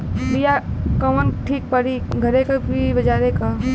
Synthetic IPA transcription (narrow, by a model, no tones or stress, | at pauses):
bijakɐʋənʈʰiːk̚pɐɾiɡʱɐɾekabʱibɐd͡ʒaːɾeka